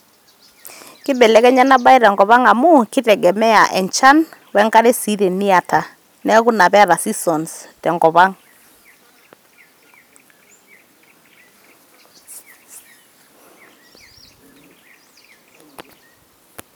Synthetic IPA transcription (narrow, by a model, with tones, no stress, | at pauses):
kɪ˦bɛ˨lɛ˨˦kɛ˦ɲa˦na˦ba˦i˦ɾɛ˨ŋɡɔ˨βa˦ŋa˨mu˦kɪ˦tɛ˨ɡɛ˨mɛ˦a˨ʔɛ˨ɲt͡ʃa˦nwɛ˦ŋɡa˦ɾe˦si˦ɾe˨ni˦a˨tʰa˨ | nɛ˦ɣu˦na˨βɛ˦ɾa˨si˦sɔ˨nstɛ˨ŋɡɔ˨βa˦ŋ